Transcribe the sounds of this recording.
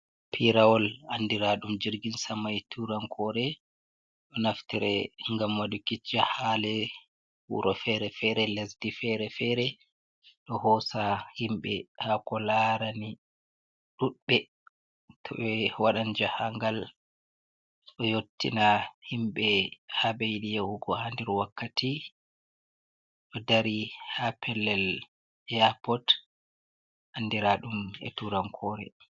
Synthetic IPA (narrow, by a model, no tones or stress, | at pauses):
pʰiɾawɔlandiɾaɗumd͡ʒiɾɡinsamajtʰuɾaŋkʰɔɾɛ | ɗɔnaftiɾɛŋɡamwadukit͡ʃːahalɛ | hṵɾʔɔfɛɾɛfɛɾɛlesdifɛɾɛfɛɾɛ | ɗɔhɔsahimɓɛhakɔlaɾani | ɗuɗɓɛ | tʰɔ̰ɓɛwaɗand͡ʒahaŋɡal | ɗɔjotːḭnahimɓɛhabejɗijahuɡɔhandɛɾwakːati | ɗɔdaɾihapʰɛlːɛl | ɛapɔt | ʔandɛɾaɗumɛ̰tuɾaŋkʰɔːɾɛ̰